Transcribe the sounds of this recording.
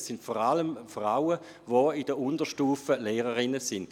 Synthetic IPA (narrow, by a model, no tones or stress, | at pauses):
sɪntfɔʁaləmfʁaʊə | ʋoidəʊndəʃtuːfəleːʁəʁɪnəsɪnd